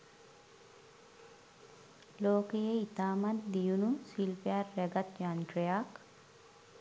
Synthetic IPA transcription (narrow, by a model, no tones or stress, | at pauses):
loːkejeit̪aːmat̪d̪ijunusilpejarːɛɡat̪janʈɾejak